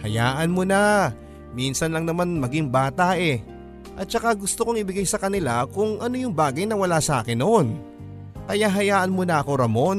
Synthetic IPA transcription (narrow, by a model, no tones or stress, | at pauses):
hɐjaːʔɐnmona | minsɐnlɐŋnɐmanmɐɡiŋbaːt̪aʔɛ | ʔɐt̪̚t͡ʃɐkaɡʊst̪okoŋɪbɪɡajsɐkɐnɪlakʊŋʔɐnojʊŋbaːɡɐjnɐwɐlasɐʔa̰ːkɪnːon | kɐjaɦɐjaːʔɐnmonɐʔɐko̞ɾɐmo̞n